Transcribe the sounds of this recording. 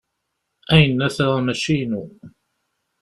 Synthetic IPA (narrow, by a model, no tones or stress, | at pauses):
ʔæjnːæθɾamæʃinu